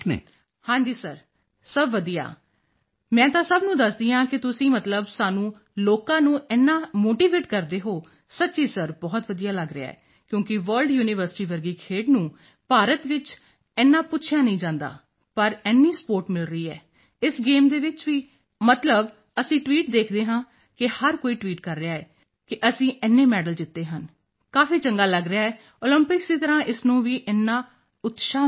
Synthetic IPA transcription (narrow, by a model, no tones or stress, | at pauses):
ḛː | hãːɲd͡ʒiːsəɾ | səbʋəd̪ija̰ː | mɛ̃ːt̪ãːsəbnũːd̪əsd̪iːãːkɪt̪ʊsĩːmət̪ləbsaːnũː | loːkãːnũːɛːnːãːmoːʈiːʋeːʈkəɾd̪eːɦoː | sətːʃiːsəɾbɔːt̪ʋəd̪ijaːləɡɾɪa̰ːɛ̰ː | kjõːkɪʋəɾlɖjuːnɪʋəɾsɪ̥ʈiːʋəɾɡiːkʰeːɖnũː | paːɾət̪ʋɪt͡ʃ | ɛːnːãːpʊtːʃʰjaːnəĩːd͡ʒãːnd̪a̰ː | pəɾɛːnːiːspoːɾʈmɪlɾəiːɛ̰ː | ɪsɡeːmd̪eːʋɪt͡ʃʋiː | mət̪ləb | əsĩːʈʋiːʈd̪eːkʰd̪eːɦãː | kɪhəɾkoːiːʈʋiːʈkəɾːɪaːɛː | kɪʔəsĩːʔɛːnːeːmɛːɖəld͡ʒɪt̪ːeːɦən | kaːfiːt͡ʃəŋɡaːləɡɾɪjaːɛː | oːləmpɪksiːt̪əɾãːʔɪsnũːʋiːʔɛːnːãː | ʊt̪ʃaː